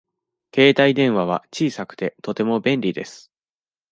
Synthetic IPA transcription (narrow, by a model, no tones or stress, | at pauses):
ke̞ːt̪aid̪ẽ̞ɰ̃βaβ̞a̰t͡ɕiːsakɯ̟̥t̪e̞t̪o̞t̪e̞mo̞bẽ̞nɾʲid̪e̞sɨ̥